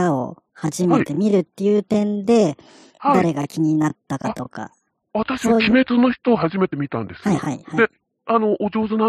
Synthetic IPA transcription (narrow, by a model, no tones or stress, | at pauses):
ao̞̰ | haʑime̞t̪e̞mʲiɾɯ̟t̪ːe̞jɯ̟ːt̪ẽ̞nd̪e̞ | d̪aɾe̞ɡakʲiɲ̟inat̪ːakat̪o̞ka̰ | βat̪aɕiβakʲime̞t͡sɨno̞çi̥t̪o̞ːɦaʑime̞t̪e̞mʲit̪ã̰nd̪e̞shaihaihaie | ano̞ʔːd͡ʑo̞ːzɨna